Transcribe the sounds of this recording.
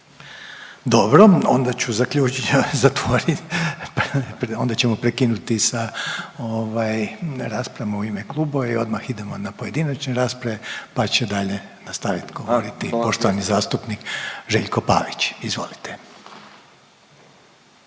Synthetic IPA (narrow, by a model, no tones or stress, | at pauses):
d̪o̞bɾo̞o̰nd̪at͡ɕuzakʎuːt͡ʃɲzat̪ʋoɾippɾo̞nd̪at͡ɕemopɾekinut̪isaoʋajɾaːspɾamauimeklˠuːboʋeio̞d̪maxid̪e̞mo̞napo̞je̞d̪inat͡ʃneɾaːspɾaʋepat͡ɕed̪aʎe̞nast̪aʋit̪ɡo̞ʋoɾit̪ipo̞ʃt̪oanizaːst̪upnikʒḛʎko̞pa̰ʋit͡ɕizʋo̞̰lit̪e